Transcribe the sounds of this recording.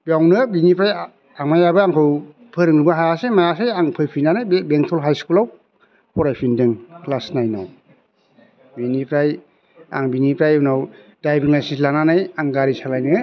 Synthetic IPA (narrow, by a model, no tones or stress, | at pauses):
bjawnɯbinipɾaj | aŋmajabɯaŋkʰɯw | pʰɯɾɯŋɾɯbaɦaasemajasejaŋpʰɯjpʰinanajbbeŋktʰɔlɦajskulaw | pʰɔɾajpʰindɯŋklasnajnɔ̰w | binipʰɾaj | a̰ŋbinipɾajɯwnaw | dajbiŋlajsislananajaŋɡaɾisalajnɯ